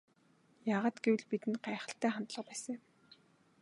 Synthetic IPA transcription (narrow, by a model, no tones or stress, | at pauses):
jaːʁaːt̪ɡewɘ̆ɮpit̪ɘ̆nɢaːχə̆ɬt̪æːχant̪ɮə̆qpæːsə̃̆ŋ